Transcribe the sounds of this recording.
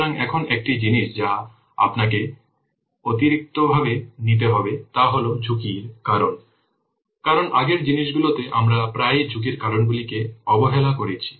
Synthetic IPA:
ɾaŋɛkʰonek̚ʈid͡ʑiniʃd͡ʑa | a̰pnak̬e | ot̪iɾik̚t̪obʱabenit̪̬eɦɔbet̪aɦolod͡ʑʱukiɾkaɾon | kaɾonʔaɡeɾd͡ʑiniʃɡulot̪eʔamɾapɾajd͡ʑʱuk̬iɾkaɾonbulikeɔboɦelakoɾet͡ɕʰi̥

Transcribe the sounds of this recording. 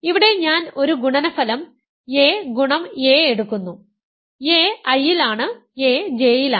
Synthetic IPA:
iʋiɽe̞ɲaːno̞ɾuɡuɳɐnɐfɐlɐm | e̞ːɡuɳɐmeːeɽukːunːu | eːɐjːilaːɳɨ | e̞ːd͡ʑe̞ːjila

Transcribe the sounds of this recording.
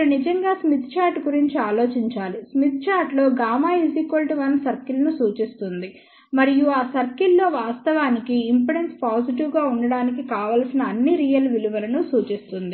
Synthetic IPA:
unid͡ʒɐŋɡaːsmit̪t͡ʃaːɾʈɡuɾiɲt͡ʃiaːlo̞ːt͡ʃiɲt͡ʃaːlismit̪̚t͡ʃaːɾʈlo̞ːɡaːmaːizikʋɐlʈiʋɐnsɐɾkilɐnusuːt͡ʃist̪und̪i | mɐɾijuaːsɐɾkilːo̞ːʋaːst̪ɐʋaːnikiːmpɐɽenspaːsiʈ̬iʋɡaːuɳɖɐɽaːnikikaːʋaːlsinɐːnːiɾiːjɐlʋiluʋɐlɐnusuːt͡ʃist̪und̪i

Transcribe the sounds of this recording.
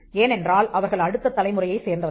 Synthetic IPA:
eːnɛndraːlʔɐʋɐɾɣɐɭɐɽɯt̪ːɐt̪ːɐlɐɪmɯrɐjɐɪseːɾnd̪rɐð

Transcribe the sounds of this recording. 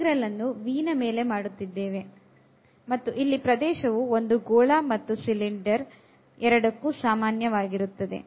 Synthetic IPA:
ɡɾɐlːɐnːuʋiːnɐme̞ːle̞maːɽut̪ːid̪ːeːʋe̞ | mɐt̪ːuʔilːipɾɐd̪ɛːʃɐʋuo̞nd̪uɡoːɭaːmɐt̪ːusiliɳɖɐɾ | ɛɾɐɽɐkːusaːmaːnjɐʋaːɡiɾut̪ːɐd̪e̞̰

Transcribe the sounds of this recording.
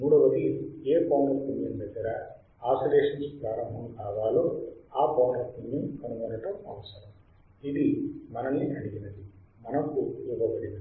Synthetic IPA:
muːɽɐʋɐt̪ieːpɐːwnɐt̪ːund̪ind̪ɐɡɐɾɐ | aːsɐɾeːʂɐnspɾaːɾɐmɦɐmbaːɡaːloːaːpɐwnɐt̪ninːiɐnuɡɐnɐʈɐɐʋɐsɐɾɐm | id̪imɐnɐnːiʔɐɽiɡinɐd̪i | mɐnɐkujuɡɐbɐɽin

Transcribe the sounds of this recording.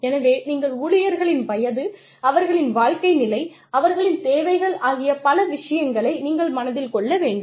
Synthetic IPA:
ɛnɐʋeːniːŋɡɐɭʊɭɪjɐɾɣɐɭɪnʋɐjɐðɯ | ɐʋɐɾɣɐɭɪnʋaːɭkɐɪnɪlɐɪ | ɐʋɐɾɣɐɭɪnt̪eːʋɐɪɣɐɭaːɣɪjɐpɐlɐʋɪʂɐjɐŋɡɐɭɐɪniːŋɡɐɭmɐnɐðɪlkɔɭːɐʋeːɳɖɯm

